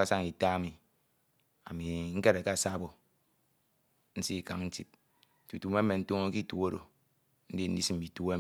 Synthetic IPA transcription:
a˦sa˦ŋi˨ta˦mi˨ | a̰˨mi˨ŋ̩˦ke˦ɾe˨ka˦˨sa˦bo˨ | n̩˦si˦i˨ka̰˨ŋn̩˦ti˨p̚ | tu˨tu˨me˦me˨n̩˦tu˦ŋo˦ki˦tu˦o˦ɾo̰˨ | n̩˦di˦n̩˦di˦si˦m̩˨bi˨tu˦a˦˨

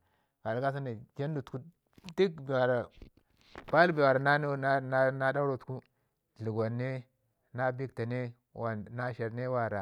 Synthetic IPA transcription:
ɡa˨lɡa˦s̬a˦ne˨ke˦n˦du˨tku˦ | di˦kbi˨wa˨ɾa˨ | pa˦lbi˨wa˨ɾa˨na˦n˦na˦na˦da˦ɾo˨tu̥˨ku˦ | ɮi˨ɡʷa˨nːe˦ | na˦bi˦kta˨ne˦ | wa˨na˦ʃe˨ɾne˦wa˨ɾa˨

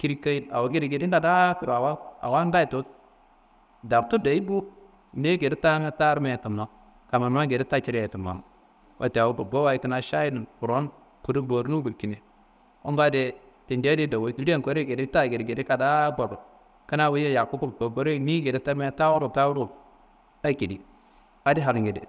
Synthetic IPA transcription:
ki˦ɾi˦ka˦i˦na̰˨wo˨˦ɡe˦ɾi˨ɡe˨di˦n˦da˨da˦ki˨ɾa˨wa˦a̰˨wa˦n˦da˦i˨to˦t̚ | da˨ɾtu˦da˨i˦bu˦˨ | ne˦ɡe˨di˦ta˦me˦ta˦ɾme˨tu˨mno˨˦ | ka˨ma˨n˦a˦ɡe˨di˦ta˦t͡ʃi˦ɾe˨ti˨ma̰˨ŋ˨ | wʔa̰˨te˨a˨u˦bo˨bo˦wa˦i˦ki˨˦na˦ʃa˦ji˦n˨u˨ɾo˦n | ku˨du˦bo˨ɾnu˦ɡu˨ki˨ne˨ | o̰˦nba˦de˦ | ti˨nde˦di˦do˨wo˦di˦ɾi˦e˦ŋko˦ɾe˦ɡe˨di˦ta˦˨ɡe˨dɡe˨di˦ka˨da˦bo˨ɾo˨ | ka˦na˦wi˦je˦ja˨ku˦bu˦k͡po˨bo˦ɾe˦ni˦ɡe˨di˦ta˦ɾme˦ta˦wu˦ɾu˨ta˦wu˦ɾu˦˨b̚ | a˦ki˨di˦ | a˦di˦ɦa˨ɾu˨ŋɡe˨dḭ˨

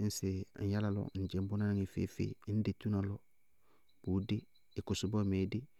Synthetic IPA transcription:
n̩˦se˨n̩˨ja˦la˨lɔ̰˨n̩˨d͡ʒe˨˦m˦bo˦na˦n˦ŋi˨fḛ˦fḛ˨˦n̩˦de˨tu˦na˨lɔ˦˨ | b̥u˨˦dɪː˦˨ | kʊ˨sʊ˨bo˦˨me˨˦dɪ˦

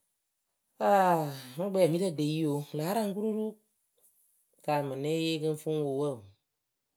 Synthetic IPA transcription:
a˦˨mũ˦ɡ͡bɛ˧˦ɛ˨mĩ˦tə˧˨de˨˦i˦o˨˦laː˨˦ɾã˦ŋ˦k̬u˦ɾu˦ɾu˦ | kaː˨mã˨nɛ̃˦jeː˦kə˦˧n˦fũ˦wo˨wə˦˨

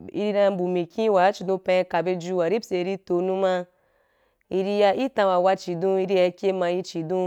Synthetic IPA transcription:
ḭ˧ɾi˧ɾã˧˦bu˨mĩ˨kʲĩ˦wa˨˦t͡ʃi˨dõ˧pã˧ka˨be˧d͡ʒu˧wa˨ɾi˦sʲe˨˧ɾi˧to˧nũ˦ma˧ | i˧ɾi˧ja˧i˦tã˧wa˨wa˧t͡ʃi˨dõ˧i˧ɾi˧ja˧kʲe˦mã˧ji˧t͡ʃi˨dõ˧

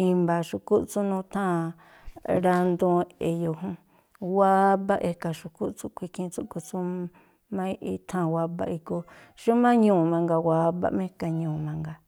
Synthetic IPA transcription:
ĩ˧mba˨ʃu˧ku˦ʔt͡su˦nũ˧t̪ʰã˦˨ | ɾa˧nd̪ũ˧e˨jo˨ɦũ˦ | wa˦ba˦ʔe˧ka˨ʃu˧ku˦ʔt͡su˦kʷi˧kʰĩ˧t͡su˦ko˧t͡sũ˦ | mã˦i˦ʔi˧t̪ʰã˦˨wa˧ba̰˧ʔi˧ko˧ʃu˦mã˦ɲũː˦˨mã˧ŋɡa˧wa˧˦ba̰˧ʔmẽ˦˧ka˧ɲũː˨mã˧ŋɡa˧

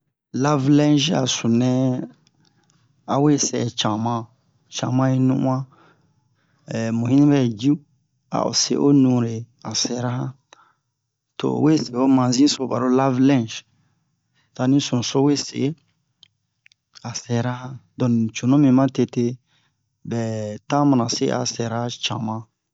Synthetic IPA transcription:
la˦vlɛ̃˦nd͡ʒa̰˨su˨nɛ̃˦ | a˨we˦sɛ̰˨t͡ʃã˨mã˧ | t͡ʃã˨mã˦i˦nṵ̃˦ʔũ˦ã˦˨ | mõ˨hĩ˦nĩ˦bɛ˦˨d͡ʒi˦ | a̰˨o̰˨sḛ˨ʔo˦nũ˨ɾe˨ | a˨sɛ˨˦ɾa˦hã˦ | to̰˨we˦se˨˦o˦mã˨zĩ˦so˨ba̰˨ɾo˦la˦vlɛ̃˦˨d͡ʒ | ta˧nĩ˦sũ˨so˦we˦sḛ˨˦ | a˨sɛ˨ɾa˦hã˦dɔ̃˨nĩ˨t͡ʃo˨nõ˦mĩ˨mã˦te˧te˦ | bɛ˨tã˦mã˨ã˨sḛ˦ʔa̰˨sɛ˨ɾa˦t͡ʃã̰˨mã˨

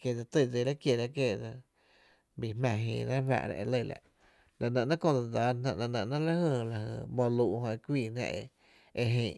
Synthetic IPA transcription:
ke˧˨d͡za˧t̪ə˧˨d͡ze˧ɾa˦kje˧˨ɾa˦ke˧˨da˧ | bi˧hmã˧ɦḭ̃ː˧˨nã˦fa̰˧ʔɾa̰˧ʔe˧lə˦˧˨la̰˨ʔ | la˨nə̃˧ʔnã˦kõ˧d͡za˧da˨˧˦nã˧ʔlã˧nə̃˧ʔnã˦la˦hə˧˨la˧hə̰˧˨bo˧luː˧ʔhõ˧ʔe˧kʷiː˧˨nã̰˧ʔe˧ | e˧ɦẽː˧˨

